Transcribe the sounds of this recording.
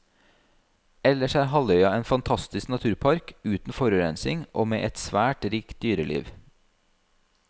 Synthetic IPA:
ɛləʃæːhɑlœʏɑeːnfɑnt̪ʰɑst̪ɪsknɑt̪ʰʉːɾpʰɑɾkʉːt̪n̩fɔɾʉɾɛnsɪŋʔo̰ːmeːʔɛt̪sʋæːʈɾiːkt̪̚d̪yːɾəlḭːʋ

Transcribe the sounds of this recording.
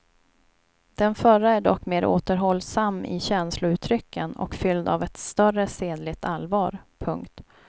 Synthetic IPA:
d̪̥ɛnfœɾaæɖɔkːmeːɾʔo̰ːt̪əɾɦɔlːsamːɪ̰ɕɛnslʊʉ̟ːt̪ʰɾʏkːənɔ̰kfʏld̪a̰vɛt̪st̪œrəseːd̪lɪɡ̚t̪ʰalvɑːɾpʰɵŋkt̪

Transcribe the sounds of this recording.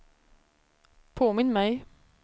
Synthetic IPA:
pʰoːmɪnmæɪ

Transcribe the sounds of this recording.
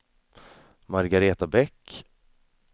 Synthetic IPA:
maɾɡaɾeːt̪abɛkː

